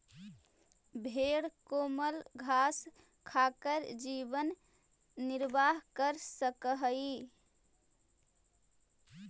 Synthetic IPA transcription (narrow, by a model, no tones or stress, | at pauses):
bʱeɽkoməlɡʱas | kʰakəɾd͡ʒiβənː | iɾbaɦkəɾsəkəɦəi